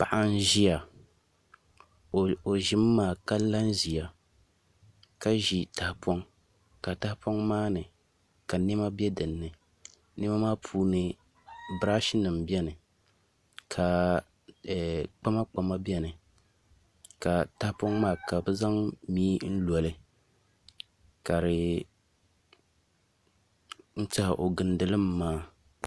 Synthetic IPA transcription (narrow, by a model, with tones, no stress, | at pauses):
pa˨ʔa˦n˦ʒi˦ja˨ | o˨ʒɪ˦mː˦aː˦˨ka˦la˦n˦ʒi˨ja˨ | ka˦ʒi˨ta˨hpɔ˦ŋ | ka˨ta˦hpɔ˦ŋmaː˦nɨ˨ | ka˨ni˦ma˦bɛ˦dɨ˨nːɨ˨ | nɛ˦ma˦maː˦pʰuː˦nɨ˨ | bɾa˦ʃi˦nɨ˨mbɛ˦nɨ˨ | kʰa˨ | k͡pa˦ma˦k͡pa˨ma˦bi˦ɛ˦nɨ˨ | ka˨ta˦hpɔ˦ŋmaː˦˨ka˨bɨ˦za˦ŋmiː˦n̩˦lɔ˨lɨ˦ | ka˨ɾɪ˨ | n̩˦ta˦hʔo˨ɡɨ˨ndɨ˨lɨ˦mːaː˦